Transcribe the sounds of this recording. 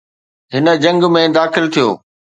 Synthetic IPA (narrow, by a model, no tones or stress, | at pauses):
ɦɪnə̆d͡ʑɐ̃ŋɡmẽd̪aːxɪlt̪ʰijo̰ː